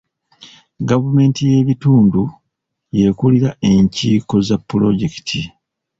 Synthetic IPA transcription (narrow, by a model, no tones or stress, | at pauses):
ɡavume̞ːntije̞βituːndu | je̞kuliɾae̞ɲciːko̞zapːulo̞ɟe̞ki̥tʰi